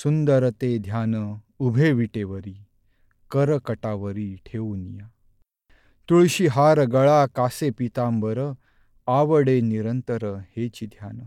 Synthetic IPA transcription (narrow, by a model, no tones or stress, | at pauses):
sund̪əɾət̪ed̪ʱjanəubʱeʋiʈeʋəɾiː | kəɾəkəʈaʋəɾiʈʰeʋunija | t̪uɭɕiɦaɾɡəɭakasepit̪ãmbəɾə | aʋəɽeniɾənt̪əɾəhet͡ɕid̪ʱjanə